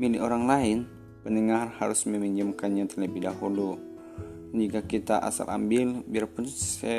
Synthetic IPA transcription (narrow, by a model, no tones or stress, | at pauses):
milɪoɾaŋlaɪn | pənəŋarha̰ɾʊsməmiɲd͡ʒəmkanɲat̪ərləbihdaɦulu | dand͡ʒikakit̪aʔa̰sa̰la̰mbɪlbiarpʊnsɛ